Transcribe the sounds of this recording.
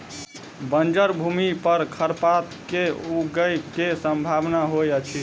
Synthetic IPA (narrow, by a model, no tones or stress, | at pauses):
bənd͡ʒəɾbʱumipəɾkʰəɾpat̪keuɡəjkesəmbʱabnaɦojət͡ʃʰi